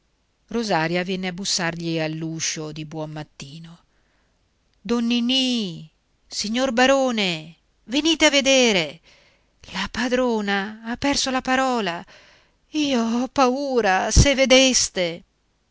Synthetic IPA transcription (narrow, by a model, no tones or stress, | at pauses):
rozaːɾjavjɛnːeabːusːarʎialːuːʃod̪ibwɔmmat̪ːiːno | d̪ɔnːini | siɲːorbaɾoːne | veniːt̪eavːed̪eːɾe | lapad̪ɾoːnaapːɛrsolapaɾɔːla | iːoɔpːauːɾasevːed̪est̪e